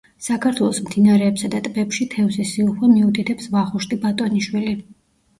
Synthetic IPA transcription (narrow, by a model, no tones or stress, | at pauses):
sakʰaɾt̪ʰwɛlˠɔsmd̪inaɾɛːpsad̪at̪ʼbɛpʃit̪ʰɛvsɛsiuχwɛmiut̪ʰit̪ʰɛpsvaχuʃt̪ʼibat̪ʼɔniʃwili